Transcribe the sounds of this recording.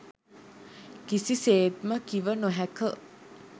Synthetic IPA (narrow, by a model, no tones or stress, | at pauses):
kisiseːt̪məkiʋənoɦækə